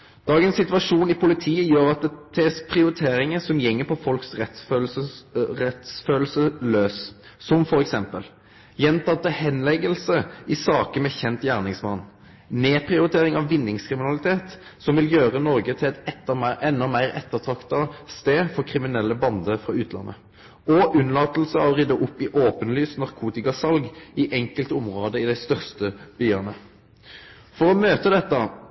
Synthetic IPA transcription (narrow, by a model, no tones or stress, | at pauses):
d̪̥ɑːɡənssɪt̪ʋɑʂuːnɪpʰʊlɪt̪ʰiːəjøːʁɑt̪̚d̪ɛt̪ʰɛspʰɾɪʊɾɪt̪ʰeːɾɪŋəsɔmjɛŋːəpʰɔfɔlksʁɛt̪øəʁɛt̪sføːlsəløːsː | ɔmfɔɾɛksɛmpəl | jɛnt̪ɑt̪ːɑhɛnlɛɡəlsəɪsɑːkəmɛçɛnt̪jæːʁnɪŋsmɑnː | neːpʰʁɪʊɾɪt̪ʰeːʁɪŋɑʋːɪnːɪŋskʰɾɪmɪnɑlɪt̪ʰeːt̪ | sɔmʋɪljøːʁənɔʁɡət̪ʰɪlɛt̪ɛt̪ːəɛnːɔmæɪʁɛt̪ːəʁt̪ʰʁɑkt̪ɑst̪eːfɔʁkʰʁɪmɪnɛlːəbɑnd̪əfʁɑʉːt̪ʰlɑ̰nːʔə̰ | ɔʔʉnlɑːt̪l̩səɑʋʁɪd̪əʔʊpːɪʔoːpənlyːsnɑʁkʰuːt̪ɪkɑsɑlɡɪʔɛŋkəlt̪ʊmʁoːd̪əɪd̪æɪst̪œʁst̪əb̥yːɑnə | fɔʁɔmøːt̪əd̪ɛt̪ːə